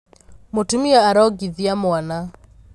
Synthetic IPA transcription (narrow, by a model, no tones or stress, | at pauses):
motumiaːɾɔɡiðiamwana